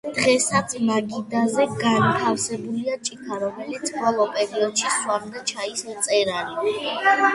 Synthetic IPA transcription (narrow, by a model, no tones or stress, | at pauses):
d̪̥ʁɛsat̪sʰmaɡid̪azɛɡant̪ʰafsɛbuliat͡ʃʼikʰaɾɔmɛlit̪sʰbɔlˠɔpʼɛɾiɔd̪ʃiswamd̪at͡ʃʰaist̪sʼɛɾani